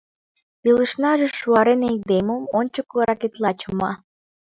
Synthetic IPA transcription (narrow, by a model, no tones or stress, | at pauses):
ilə̆ʃnɑʒĕʃuɑɾened̪emomonʲt͡ɕəkoɾɑket̪lɑt͡ɕə̆mɑ